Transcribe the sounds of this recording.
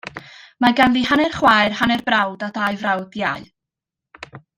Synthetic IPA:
maɡanlihanɛrχwaɨrhanɛrbrawdadajvrawdjaɨ

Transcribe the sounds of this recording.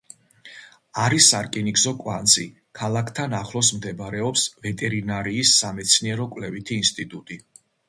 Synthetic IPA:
aɾisaɾkʼinikzɔkʼwa̰nt̪sʼi | kʰalˠakʰt̪ʰanaχlˠɔsmd̪ɛbaɾɛɔpsvɛt̪ʼɛɾinaɾiːsːamɛt̪sʰniɛɾɔkʼwlɛvit̪ʰiːnst̪ʼit̪ʼut̪ʼi

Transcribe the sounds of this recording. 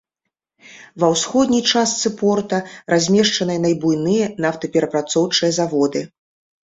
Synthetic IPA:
vɐwsxɔd̪ʲnʲijt͡ʂast̪sɨpɔrt̪ɐrazʲmʲɛʂt͡ʂɐnɨjɐnɐjbujnɨjɐnawt̪ɐpʲɛɾɐpɾat̪sɔwt͡ʂɨjɐzavɔd̪ɨ

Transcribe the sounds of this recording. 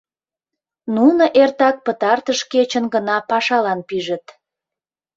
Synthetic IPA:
nunoʔert̪ɑk̚pət̪ɑrt̪əʃket͡ɕənɡənɑpɑʃɑlɑnpiʒə̆t̪

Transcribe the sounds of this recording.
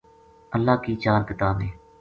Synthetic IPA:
əlːaːkiːt͡ʃaːɾkɪt̪aːbeː

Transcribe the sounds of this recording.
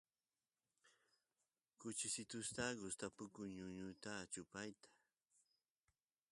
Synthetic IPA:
kʊt͡ʃɪsɪt̪ʊst̪aɡʊst̪apʊkʊŋɲʊɲʊt̪at͡ʃʊpajt̪ḁ

